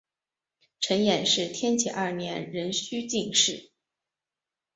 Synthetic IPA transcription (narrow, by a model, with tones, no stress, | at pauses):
ʈ͡ʂʰə˧˥njɛ˨˩nʂɻ̩˥˩t̪ʰjɛ˥nt͡ɕʰɛ̰˨˩ʔɐ˥˩njɛ˧˥nɻə˧˥nɕy˥t͡ɕi˥˧ŋʂɻ̩˥˩